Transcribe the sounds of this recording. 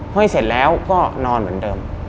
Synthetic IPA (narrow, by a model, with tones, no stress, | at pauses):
a˥˩se˨˩t̪̚lɛː˦˥wkɔː˥˩nɔː˧nmɯ˩˦əndɤː˧m